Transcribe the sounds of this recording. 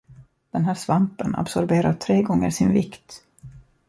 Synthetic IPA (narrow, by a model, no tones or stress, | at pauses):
d̪̥ɛnɦæːʂvampəna̰bsɔɾbeːɾat̪ʰɾeːɡɔŋːə̰ɾʂɪnvɪkt̪